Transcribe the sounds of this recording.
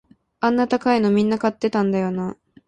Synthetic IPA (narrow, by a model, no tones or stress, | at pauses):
ãnːat̪akaino̞mʲĩnːakat̪ːe̞t̪ãnd̪ajo̞na